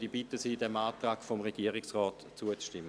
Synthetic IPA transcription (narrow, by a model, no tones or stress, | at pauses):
d̥ibitːəsiːdɛmaːtʁaːɡ̥fomʁeɡ̥iəʁɪksʁɔːt | t͡suət͡sʃtɪmːə